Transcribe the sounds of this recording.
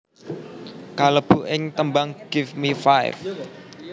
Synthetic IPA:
kaləb̥uʔɪŋt̪əmbaŋɡ̥ɪfmifaj̰f

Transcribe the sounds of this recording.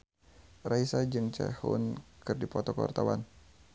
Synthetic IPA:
raisad͡ʒɨŋt͡ʃa̰hṵnkɨrdipɔt̪ɔkwa̰rt̪awa̰n

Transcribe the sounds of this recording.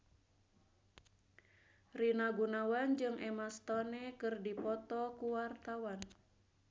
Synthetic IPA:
rinaɡunawand͡ʒɨŋʔɛmast̪ɔnɛkɨrdipɔt̪ɔkuwart̪awan

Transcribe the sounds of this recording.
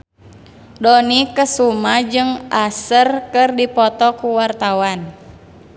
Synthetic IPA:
dɔnikəsumad͡ʒɨŋʔasərkɨrdipɔt̪ɔkuwart̪awan

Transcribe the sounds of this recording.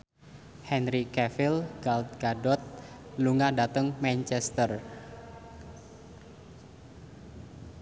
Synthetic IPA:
hɛnɾikɛfilɡalt̪̚ɡ̥adɔt̪̚ | luŋadat̪əŋmɛnt͡ʃɛst̪ər

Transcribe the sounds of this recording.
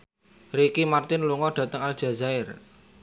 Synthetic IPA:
rekimart̪ɪnluŋɔɖ̥ä̤t̪əŋal̥ʒ̥ä̤zaɪr

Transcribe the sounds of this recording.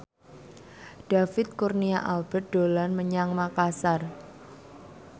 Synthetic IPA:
d̥a̤fɪt̪̚kurniaʔalb̥ɛt̪̚d̥olanməɲaŋmakasar

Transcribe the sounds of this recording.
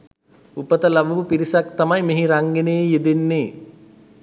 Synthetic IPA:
upət̪əlabuʋupiɾisakt̪amajmeɦiɾaŋɡenejejed̪enːeː

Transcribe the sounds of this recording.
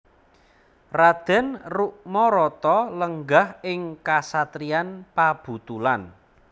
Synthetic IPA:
rad̪̥ɛ̤nruʔmɔɾɔt̪ɔləŋɡahɪŋkasat̪ɾianpab̥ṳt̪ulan

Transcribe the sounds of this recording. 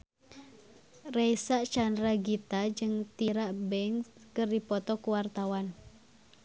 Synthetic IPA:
rɛjsaʔt͡ʃandɾaɡit̪ad͡ʒɨŋt̪iɾaʔbɛŋskɨrdipɔt̪ɔkuwart̪awan

